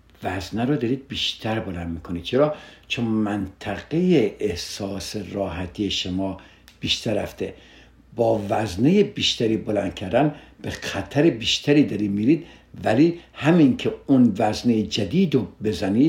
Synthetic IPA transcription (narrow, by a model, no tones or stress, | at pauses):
væznæɾod̪ɒɾiːd̪̚biːʃt̪ʰæɾbolænd̪miːkʰonid̪̥̚t͡ʃʰeɾɒːt͡ʃʰonmænt̪ʰæɣejeehsɒːseɾɒːɦæt̪ʰijeʃomɒː | b̥iːʃt̪ʰæɾæ̰ft̪ʰe | bɒːvæznejebiːʃt̪ʰæɾiːbolænd̪̥̚cʰæɾd̪æn | b̥exæt̪ʰæɾebiːʃt̪ʰæɾiːd̪ɒɾiːmiːɾiːd̪ | vælihæminkʰeunvæznejed͡ʒæd̪iːd̪obe̞zæniː